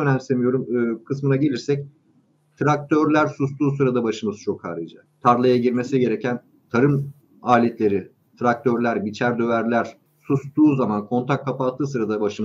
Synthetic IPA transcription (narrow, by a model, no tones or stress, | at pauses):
ønæmlʲisemijo̞ɾumɯːkʰɯsmɯnaɟe̞lʲiɾsɛc̚ | t̪ʰɾak̚t̪ʰø̞ɾlʲæɾsust̪uːsɯɾad̪abaʃɯmɯzt͡ʃʰo̞kha̰ːɾɯd͡ʒa | t̪ʰaɾlˠajaɟiɾme̞siɟe̞ɾe̞cʰæn | t̪ʰaɾɯm | aːlʲet̪lʲe̞ɾi | t̪ʰɾak̚t̪ʰø̞ɾlʲæɾbit͡ʃʰæɾd̪ø̞væɾlʲæɾ̥ | sust̪uːzamankʰo̞nt̪ʰakkʰːapat̪ʰːɯːs̬ɯɾad̪abaʃɯmɯ